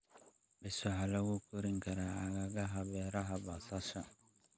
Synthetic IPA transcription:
bɪsʊħalɐɣʊkʰʊɾɪŋkʰɐɾaɐɣɐɣɐɦɐβɛːɾɐɦɐbasɐʃɐ

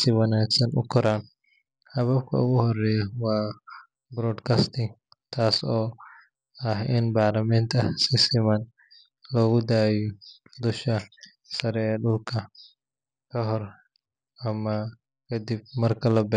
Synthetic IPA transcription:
sɪwɐnaːksɐnʔʊ̰kʰʊɾaːn | hɐβɐb̚kʰɐ̰ʊɣʊhɔrɛːjɐwɑː | bɾɔːd̪kʰast̪ʰɪŋ | t̪ʰaːsɔː | ɐhɪnbaːrlɐmaːnt̪ʰɐsɪsɪman | lɔːɣʊd̪aːjɔ | d̪ʊʃɐ | sɐɾɛːɖʊlkʰɐ | kʰɐɦɔr | ʔɐmɐ | kʰɐd̪ib̚mɐrkʰɐlɐbɛː

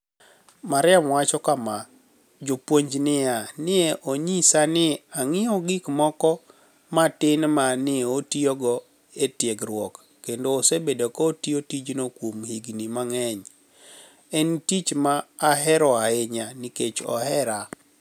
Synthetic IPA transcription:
maɾɪamwat͡ʃɔkama | d͡ʒopwoɲd͡ʒnɪjanɪɛʔoɲisanɪaŋɪɔɡɪkmɔkɔ | matɪnmanɪotioɡɔ | etjeɡɾwɔkːendoːsebedokɔtiotid͡ʒnokwomhiɡnimaŋɛɲ | ɛntit͡ʃmaːɦɛɾɔaɪɲaniket͡ʃɔ̰ɦɛɾa

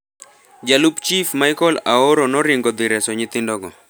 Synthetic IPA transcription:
d͡ʒalupt͡ʃifmajkɔlaɔɾɔnɔɾɪŋɡɔd̪ɪɾɛsɔɲɪt̪ɪndɔɡɔ

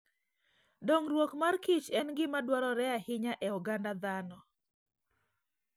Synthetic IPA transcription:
doŋrwokmarkɪt͡ʃɛnɡɪmadwaɾɔɾɛahɪɲaʔɛuɡandad̪anɔ

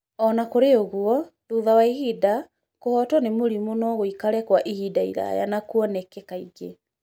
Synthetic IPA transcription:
ɔnakoɾeoɣwɔðuðawaihida | kohɔtɔnemoɾimonɔɣoikaɾɛkwaʔihidaḭɾa̰ja̰nakuɔnɛkɛkaiɡe

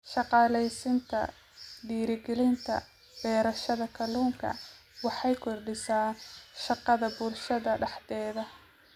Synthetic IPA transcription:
ʃɑqɑːlɛjsɪnt̪ʰɐ̰ | ɖiːɾɪɡɛlɪnt̪ʰɐ̰ | b̥ɛːɾɐʃɐðɐkʰɐluːŋkʰɐ̰ | wɑħɑjkʰɔrɖɪsaːnʃɑqɑðɐbʊlʃɐðɐɖɑħd̪ɛːðɐ

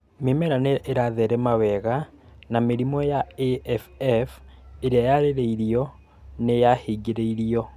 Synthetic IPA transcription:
memɛɾaneʔeɾaðɛɾɛmawɛɣa | nameɾimɔjaeɛfɛfeɾeajaɾeɾeiɾiɔ | nejahiɡiɾeiɾiɔ

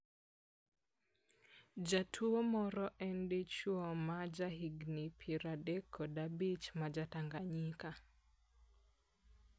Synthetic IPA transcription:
d͡ʒatʰuomɔɾɔʔɛndet͡ʃuɔmad͡ʒaɦiɡnipʰiɾadɛkʰːɔdabit͡ʃmad͡ʒataŋɡaɲika

